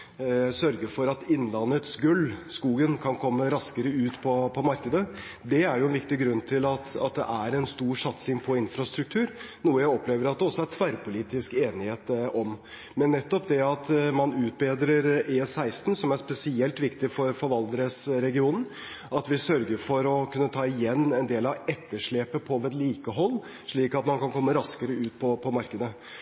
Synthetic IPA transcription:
sœɾɡəfɔɾɑt̪ɪnːlɑnət̪sɡʉlːskuːɡənkʰɑnkʰɔmːəɾɑskəɾəʉːt̪pʰɔpʰɔmɑɾkəd̪ə | d̪ɛæɾjʊɛnʋɪkt̪ɪɡɾʉnːt̪ʰɪlɑt̪ɑ̰t̪̚d̪ɛ̰ʔæɾɛnst̪uːɾʂɑt̪sɪŋpʰɔɪnfɾɑst̪ɾʉk̚t̪ʰʉːɾ | nuːəjæɪɔpleːʋəɾɑt̪̚d̪ɛɔsɔæɾt̪ʰʋæɾpʰʊliːt̪ɪskeːnɪheːt̪ɔm | mɛnːɛt̪ːɔpd̪ɛɑt̪mɑnʉːt̪̚beːd̪ɾəɾeːsæɪst̪n̩sɔmæɾspɛsɪɛlt̪ʋɪkt̪ɪfɔɾfɔɾʋɑld̪əɾəsɾɛɡɪuːnn̩ | ɑt̪ʋɪsœɾɡəɾfɔɾɔkʰʉnːət̪ʰɑːɪjɛnːɛnd̪eːlɑʋɛt̪ːəʂɭeːpəpʰɔʋɛt̪liːkəɦɔlː | ʂɭiːkɑt̪mɑnkɑnkʰɔmːəɾɑskəɾəʉːt̪̚pʰɔpʰɔmɑɾkəd̪ə

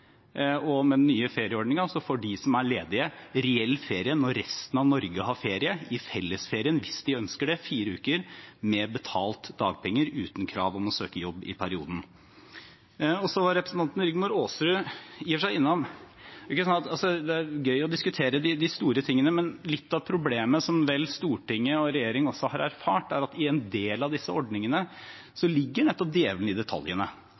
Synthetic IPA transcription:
ɔmɛd̪nːyːəfeːɾɪəɔɖɳɪŋɑsɔfoːɖɪsɔmæɾɭeːd̪ɪəɾɛɛlːfeːɾɪənɔɾːɛst̪ən̩ɑʋnɔɾɡəɦɑɾfeːɾɪəɪfɛlːəsfeːɾɪənʋɪsd̪ɪœnskəɖɛfiːɾəʉːkəɾmɛbət̪ʰɑːlt̪d̪ɑːɡ̚pʰɛŋːəɾʉ̰ːt̪nkʰɾɑ̰ːʋɔmɔsøːkəjɔbːɪ̰pʰæɾɪuːd̪n̩ | ɔsɔʋɑɾɛpɾəsn̩t̪ʰɑnt̪nɾɪɡmʊɾoːsɾʉjiːʋəʂæɪɪnːɔm | ɪkːəsɔnɑt̪ɑlsɔd̪ɛæɾɡœʏɔd̪ɪskʉt̪ʰeːɾəd̪ɪd̪ɪst̪uːɾət̪ʰɪŋːənəmɛnlɪt̪ːɑʋpʰɾʊbleːməsɔmʋɛlːst̪uːʈɪŋːəɔɾɛjeːɾɪŋɔsɔhɑɾæɾfɑːʈæɾɑt̪ɪɛnd̪eːlɑʋd̪ɪsːəɔɖnɪŋənə | sɔlɪɡːəɳɛt̪ːɔp̚d̪jeːʋənɪd̪ɛt̪ʰɑ̰ljənə

